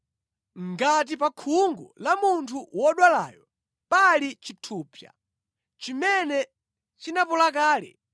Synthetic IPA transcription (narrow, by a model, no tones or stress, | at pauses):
ŋɡat̬ipakʰuŋɡɔ̰lamuntʰuwɔɗwala̰ːjɔ | palit͡ʃitʰuːpja̰ | t͡ʃimɛnɛ | t͡ʃinapɔlak̬aːlɛ̰